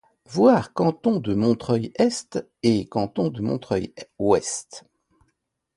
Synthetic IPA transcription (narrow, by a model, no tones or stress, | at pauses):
vwaʁkɑ̃t̪ɔ̃d̪əmɔ̃t̪χœjɛst̪ | ekɑ̃t̪ɔ̃d̪əmɔ̃t̪χœjwɛst̪